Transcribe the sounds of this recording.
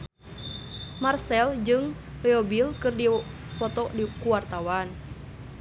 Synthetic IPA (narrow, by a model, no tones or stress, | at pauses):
marsɛld͡ʒɨŋ | rɛobilkɨrdifɔt̪ɔʔdikuwart̪awan